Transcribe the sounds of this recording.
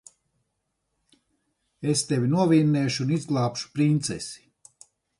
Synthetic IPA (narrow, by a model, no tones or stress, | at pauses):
est̪evʲinuɔvʲiːnːɛːʃuunizɡlˠaːpʃu̥pɾint̪sɛ̰si̥